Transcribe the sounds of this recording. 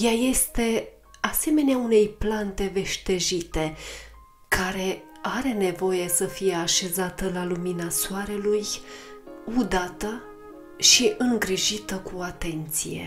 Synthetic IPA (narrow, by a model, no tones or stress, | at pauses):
jaje̞st̪e̞ | ase̞me̞neaune̞jplant̪e̞ve̞ʃt̪e̞ʒit̪e̞ | kaɾe̞ | aɾe̞ne̞vo̞je̞səfije̞aʃe̞zat̪əlaluminasuaɾe̞luj | ud̪at̪ə | ʃiʔɨŋɡɾiʒit̪əkuat̪e̞nt̪sḭje̞̰